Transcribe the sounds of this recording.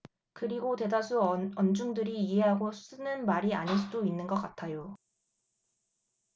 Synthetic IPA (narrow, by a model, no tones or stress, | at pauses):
kɯɾiɡote̞dasʰuʌnd͡ʑuŋdɯɾiːɦe̞ɦaɡos͈ɯnɯnmaɾia̰ɲiɭs͈udoinːɯnɡʌk͈atʰajo